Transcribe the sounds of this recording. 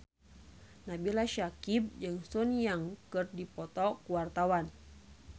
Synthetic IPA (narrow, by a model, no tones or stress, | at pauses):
nabilaʃakib̚d͡ʒɨŋsunjaŋkɨrdipɔt̪ɔkuwart̪awan